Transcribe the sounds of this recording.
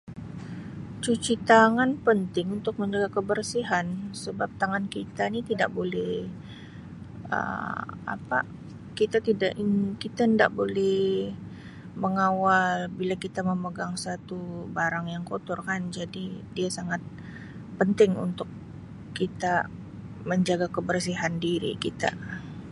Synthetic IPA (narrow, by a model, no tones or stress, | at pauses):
t͡ʃut͡ʃit̪aŋanpənt̪ɪŋunt̪ʊk̚məɲd͡ʒaɡakəbərsiɦansəbap̚t̪aŋankit̪anit̪ida̰ʔbolɛh | ə̰ma̰pa̰ | kit̪at̪idaʔikit̪aənda̰ʔbolɛh | məŋawalbilakit̪aməməɡaŋsat̪ubaɾaŋjaŋkot̪ɔrkand͡ʒadidiasaŋat̪̚ | pənt̪ɪŋṵnt̪ʊkː | it̪a | məɲd͡ʒaɡakəbərsiɦandiɾḭkit̪a̰